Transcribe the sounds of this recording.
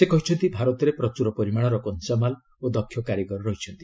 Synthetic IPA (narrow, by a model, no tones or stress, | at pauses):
sekɔɦit͡ʃʰɔnt̪ibʱaɾɔt̪ɔɾepɾɔt͡ʃuɾɔpɔɾimaɽ̃ɔɾɔkɔnsamal | od̪ɔkʰjɔkaɾjɔɡɔɾɔɾɔɦit͡ʃʰɔnt̪i̥